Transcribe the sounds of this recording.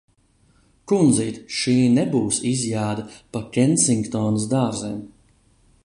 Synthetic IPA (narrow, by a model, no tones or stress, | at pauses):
kund̪ziːt̪ʃiːnɛbuːsizjaːd̪ɐpakʲɛnsiŋkt̪ɔːnɨs̬d̪aːɾzɛːm